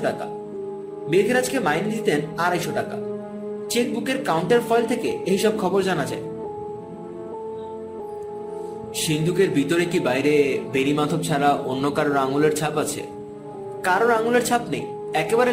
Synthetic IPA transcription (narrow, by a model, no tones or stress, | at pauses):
ʈaka̰ | beɡʱeɾad͡ʑkemajnid̪it̪enaɾaeʃoʈaka̰ | t͡ɕek̚bukeɾkawuɳʈeɾfɔjlt̪ʰekeeɦiʃɔb̚kʰɔboɾd͡ʑanad͡ʑa̰e | ʃind̪ʱukeɾbʱit̪oɾekibajɾebenimad̪ʱob̚t͡ɕʰaɾaʔonːokaɾoɾaŋuleɾt͡ɕʰapat͡ɕʰḛ | kaɾoɾaŋuleɾt͡ɕʰapnej | ɛkebaɾe